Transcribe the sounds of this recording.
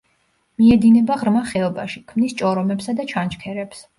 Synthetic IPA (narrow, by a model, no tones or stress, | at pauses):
miɛd̪inɛbaʁɾmaχɛɔba̰ʃikʰmnist͡ʃʼɔɾɔmɛpsad̪at͡ʃʰant͡ʃkʰɛɾɛps